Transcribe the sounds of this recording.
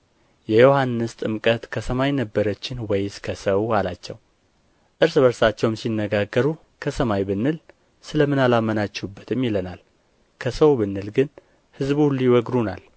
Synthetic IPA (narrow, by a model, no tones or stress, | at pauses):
jɛjo̞hanːɨst̪ʼɨmkʼət̪kʰəsəmajnəbːəɾət͡ʃːɪnwɛjɪskʰəsəwalat͡ʃːɛw | ʔɨɾsβəɾsat͡ʃːɛwmsinːəɡaɡːəɾu | kʰəsəmajbɨnːɨl | sɨləmɨnalamːənat͡ʃːubːət̪ʰɨmːjɪlənal | kʰəsəwbɨnːɨlɡɨn | hɨzbulːiwɔɡɾunal